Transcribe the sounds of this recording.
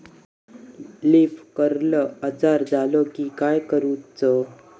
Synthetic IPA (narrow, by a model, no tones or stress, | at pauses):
lifkəɾləəd͡zaɾd͡zalɔkikajkəɾuːt͡sə